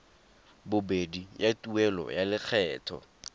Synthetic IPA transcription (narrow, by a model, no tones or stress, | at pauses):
bʊbedijatʼuɛlɔ̰jalɪk͡xʰɛːtʰɔ̰